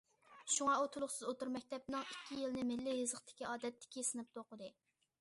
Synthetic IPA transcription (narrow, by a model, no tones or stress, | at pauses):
ʃuŋɑot̪ʰulˠʊχsɨzot̪uɾmɛkʲt̪ʰɛp̚nɨŋikʲʰːijilnɪmɪlːɪjɨzəχt̪ʰɪ̥kʲiɑːd̪ɛt̪ʰːɪ̥kʲisɨnɨp̚t̪ʰoqʊd̪ɨ